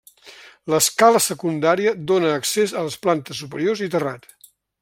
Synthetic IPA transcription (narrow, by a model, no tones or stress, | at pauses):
ləskaləsəkund̪aɾiəd̪onəːksezələsplant̪əsːupəɾiorzit̪ərat̪